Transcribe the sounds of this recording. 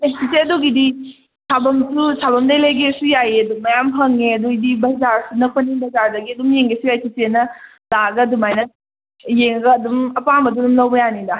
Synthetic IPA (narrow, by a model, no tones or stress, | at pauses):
esʰiseɐduɡidi | sʰabɐmsusʰabɐmdɐjlejɡesujajeɐdumɐjamɦʰɐŋeɐduɡidibɐzaɾsunɐk̚pɐnibɐzaɾdɐɡiɐdumjeŋɡesujajsʰisenɐ | laɡɐdumajnɐ | jeŋɡɐːdumɐpamɐdudumlɐwbɐjanindɐ